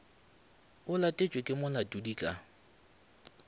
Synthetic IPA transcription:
ʊlatʼet͡ʃʼekʼɪmʊlatʼudikʼa

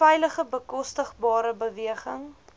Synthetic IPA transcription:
ɛjləχəbəkɔstəχbɑːɾəbəviəχəŋ

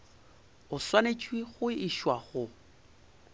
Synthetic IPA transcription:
ʊswanet͡ʃʼwiχʊiʃwaχʊ

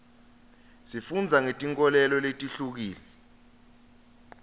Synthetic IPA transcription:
sifund͡zʱaŋetʼiŋkʼɔlɛlɔletʼiɬuk̬iːlɛ

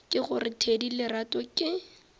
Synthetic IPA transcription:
kʼɪχʊrɪtʰedilɪratʼɔkʼɪ

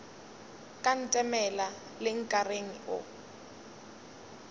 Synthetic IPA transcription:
kʼan̩tʼɛmɛla | lɪŋ̩kʼareŋ̩ʊ̰

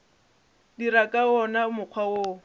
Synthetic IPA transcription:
dirakʼaɔnaʊmʊq͡χʰwawoː

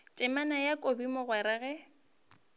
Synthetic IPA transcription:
tʼɪmanajakʼobimʊɣwɛɾɛɣɛ

